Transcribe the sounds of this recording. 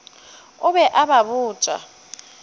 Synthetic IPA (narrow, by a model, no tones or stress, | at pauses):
ʊɓɛʔaɓaɓuːt͡ʃʼa̰